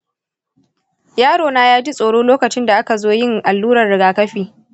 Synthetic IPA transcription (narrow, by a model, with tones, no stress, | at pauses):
jaː˦ɽoː˨naː˦jaː˦d͡ʒi˦sʼoː˨ɽoː˦loː˦kɐ˨t͡ʃɪ˦nda˨ʔa˦ka˨zoː˦jɪ˦˨ŋʔa˨lːuː˦ɾɐ˨rɽɪ˨ɡaː˨kɐ˦ɸiː˨